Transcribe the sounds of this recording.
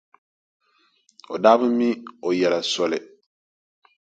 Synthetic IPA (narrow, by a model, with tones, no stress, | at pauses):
o̰˨daː˦bʊ˦mi˦o˨jɛ˨la˨sɔ˦lɪ˨